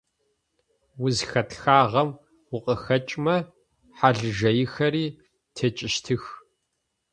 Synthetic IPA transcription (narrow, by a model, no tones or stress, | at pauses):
wʊzxɐtxaːʁɐm | wʊqʼəxɐt͡ʃʼmɐ | ħaɮɨʒɐjɪxɐriː | tʰet͡ʃʼɪʃtʰɨx